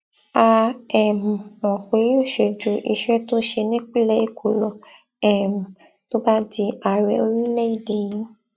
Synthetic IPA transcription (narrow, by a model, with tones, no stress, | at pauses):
a˧ɛ˨m̩˨mɔ̃˨xe˨˦o˦˨ʃe˧d͡ʒu˨˦ʔḭ˧˨ʃɛ˦to˦ʃe˧nĩ˦k͡pi˦lɛ˦e˦˨kʰu˨lɔ˨ | ɛ˦˨m̩˨ | to˦ba˦di˧a˨ɾɛ̰˨o˧ɾi˦lɛ˦i˦˨de˨jĩ˦